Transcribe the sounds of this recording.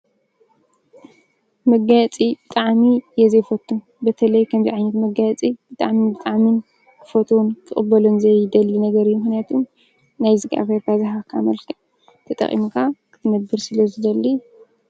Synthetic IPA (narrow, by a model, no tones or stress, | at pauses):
mɐɡat͡sʼibɨt̪ʼaʕmijɛzɐjfɐt̪ʰʼːun | bɐt̪ʰɐlɐjkʰɐmziʕajnɐt̪mɐɡat͡sʼib̥ɨt̪ʼa̰ʕmibɨt̪ʼaʕmin | kʰɨfɐt̪ʰunkʰɨχʼɨbːɐlonzɐjd̪ɐlːinɐɡɐɾijːumɨxnijat̪ʰum | najzɨɡa̰βɐɾbazɨɦakʰamɐlkʰɐ | t̪ʰɐt̪ʼɐ̰χʼḭmkʰakʰɨ̥t̪ʰɨnɐbːɨɾsɨlɐzɨd̪ɐlːi